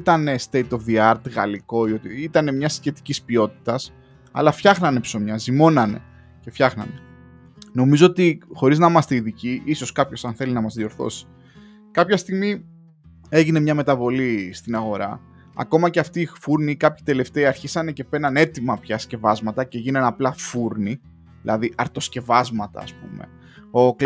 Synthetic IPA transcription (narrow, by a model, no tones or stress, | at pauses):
it̪ɐnest̪e̞jt̪o̞fðiɐɾt̪ɣɐ̰liko̞io̞t̪iit̪ɐne̞mɲɐsçe̞t̪i̥cispio̞t̪i̥t̪ɐs | ɐ̰lɐfçɐxnɐne̞pso̞mɲɐzimo̞nɐne̞̰ | cefçɐxnɐ̰ne | no̞mizo̞ot̪ixo̞ɾiznɐimɐst̪e̞iðiciʔiso̞skɐpço̞sɐnθe̞linɐmɐzðio̞ɾθo̞̰si̥ | kɐpçɐst̪iɣmi | e̞ʝine̞mɲɐme̞t̪ɐvo̞list̪inɐɣo̞ɾɐ̰ | ɐ̰ko̞mɐce̞ɐft̪iːfuɾnikɐpçi̥t̪e̞le̞ft̪e̞iɐɾçisɐne̞ce̞pe̞nɐne̞t̪imɐpçɐsce̞vɐzmɐt̪ɐceʝinɐnɐplɐfuɾni | ðilɐ̰ðiʔɐɾt̪o̞sce̞vɐzmɐt̪ɐ̰ːspume̞̰ | o̞kl